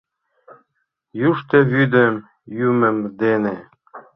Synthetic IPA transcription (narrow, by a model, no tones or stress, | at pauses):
juʃt̪eβyd̪əm | jymə̆md̪ene